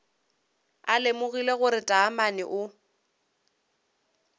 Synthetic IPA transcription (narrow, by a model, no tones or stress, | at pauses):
alemʊɣileɣʊɾɪtʼaːmanɪ̰ʔʊ